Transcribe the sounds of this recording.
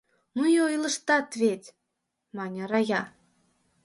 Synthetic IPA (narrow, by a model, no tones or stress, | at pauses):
nujojlɤ̆ʃt̪ɑt̪vʲet̪ʲ | mɑnʲɑrɑjɑ